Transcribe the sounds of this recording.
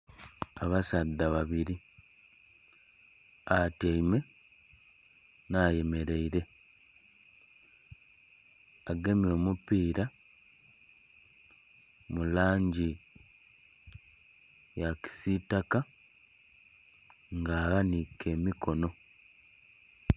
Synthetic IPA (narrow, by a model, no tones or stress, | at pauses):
aβasad̪ːaβaβiɾi | ataime̞ | naːje̞me̞ɾe̞iɾe̞ | aɡe̞mjo̞ːmupiːɾa | mulaːɲɟi | jaki̥sitaka | ŋɡaːɣanike̞ːmikʰo̞no̞